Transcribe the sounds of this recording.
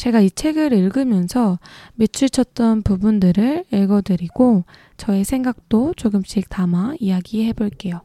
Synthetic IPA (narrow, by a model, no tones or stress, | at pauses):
t͡ɕe̞ɡait͡ɕʰe̞ɡɯɾiɭɡɯmjʌnsʰʌme̞t͡ɕʰut͡ɕʰʌt̚t͈ʌnpubundɯɾɯɭiɭɡʌdɯɾiɡo | t͡ɕʌe̞sʰe̞ŋɡak̚t͈ot͡ɕoɡɯmɕ͈ik̚tamaijaɡiɦe̞boɭk͈e̞jo